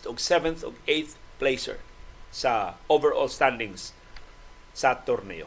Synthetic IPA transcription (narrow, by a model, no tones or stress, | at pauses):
t̪ɔɡsɛvɛ̃nθɔ̰ɡejθplejsɛ̰ɹsaovɛɾɔ̰lst̪ãnd̪ĩŋs | sat̪oɾnḛo